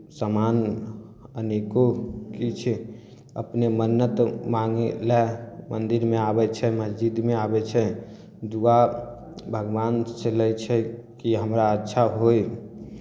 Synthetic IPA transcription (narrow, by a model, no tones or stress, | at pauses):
saman | ənekokit͡ʃʰɛ | ə̰pnemənːət̪maŋelɛmənd̪iɾmeabɛt͡ʃʰɛməd͡ʒd͡ʒid̪meabɛt͡ʃʰɛ | d̪ua | bʱəɡbanselɛjt͡ʃʰɛkiɦəmɾaətːʃʰaɦoj